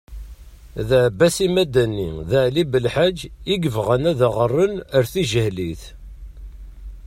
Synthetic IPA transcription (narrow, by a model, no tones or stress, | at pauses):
ðəʕbːæsimæd̪ænːiðəʕlibəlħad͡ʒːiɡəvʁənæðaʁərˤːənəɾθiʒəhliθ